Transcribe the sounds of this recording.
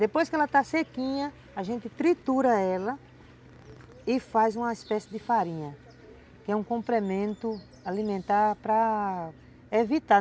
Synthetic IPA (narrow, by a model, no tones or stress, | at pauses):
d̪epojskɪɛlɐt̪asekĩɲɐ | aʒẽnt̪ɪt̪ɾit̪uɾɐɛlɐ | ɪfajzũmɐispɛsɪd̪ɪfaɾĩɲɐ | kɪɛũkõmplemẽnt̪ʊ | alĩmẽnt̪aɾpɾɐ | evit̪a